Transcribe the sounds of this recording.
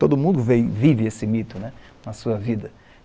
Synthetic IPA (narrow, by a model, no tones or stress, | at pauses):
t̪od̪ʊmũd̪ʊvẽjvivɪesɪmit̪ʊnɛ | nɐsuɐvid̪ɐ